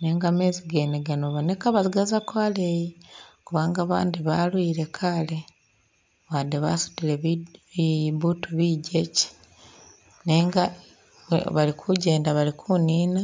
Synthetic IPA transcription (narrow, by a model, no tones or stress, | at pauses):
neːŋɡameːziɡe̞ːneɡanoβone̞kaβaziɡazakwaːlejiokuβaːŋɡaːβa̰ːndiβalwiːɾe̞kʰale | βadeβa̰su̥dile | βutuβiɟe̞ci̥ | neːŋɡa̰ | βalikʰuɟe̞ːndaβalikʰuniːna